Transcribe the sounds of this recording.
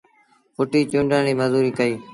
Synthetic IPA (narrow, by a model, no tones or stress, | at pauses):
pʊʈiːt͡ʃʊɳɖãːɽiːməzuːɾiːkəiː